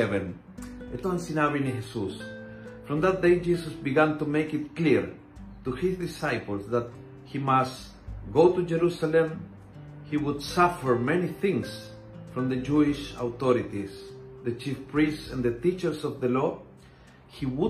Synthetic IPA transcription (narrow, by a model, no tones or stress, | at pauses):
ɛvɛ̃n | et̪wãnsinavinihesus | fɾɔ̃mðat̪̚d̪ejd͡ʒisəsbiɡæ̃nt̪umeɪkɪt̪̚kliɹ | t̪uhisd̪isajpəl̩ˠsðat̪̚ | himast | ɡot̪ud͡ʒɛɾusalẽm | hiwud̪safəɹmɛniθɪ̃ŋs | fɾɔ̃mðəd͡ʒuɪʃa̰wt̪ɔɾit̪isðət͡ʃifpɹistsãnðət̪it͡ʃə˞sɔvðəlɔ | hiwu